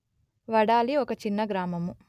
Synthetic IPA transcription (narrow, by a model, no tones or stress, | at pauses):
ʋɐɽaːliɔkɐt͡ʃinːɐɡɾaːmɐmu